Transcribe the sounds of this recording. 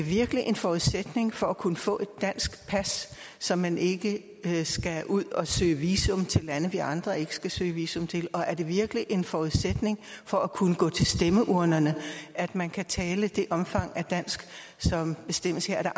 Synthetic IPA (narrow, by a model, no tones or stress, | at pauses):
e̝ʋiɐɡ̥liʔe̝nfɒuðˠsed̥ne̝ŋfɒ̽ækʰunəfɔ̰̽ːe̝d̥ːæn̰sɡ̥pʰæsː | ɒ̽mːæne̝ɡ̥ə | sɡ̥æʔuð̰ˠɒ̽sø̰ːʋiːsɔ̽mt͡sʰe̝lːænəʋiʔɑ̈nd̥ʁɐe̝ɡ̥ə̥sɡ̥æsø̰ːʋiːsɔ̽mt͡sʰe̝lɒ̽ʔæɐd̥e̝ʋiɐɡ̥liʔe̝nfɒuðˠsed̥ne̝ŋfɒ̽ækʰunəɡ̥ɔ̰̽ːt͡sʰe̝lsd̥eməʔuɐ̰nɐnəæd̥mænkʰæt͡sʰɛːləd̥e̝ʔɒ̽mfɑ̈ŋ̰æd̥æn̰sɡ̥ | sɒ̽mb̥e̝sd̥em̰əsheɐ̰d̥ɑ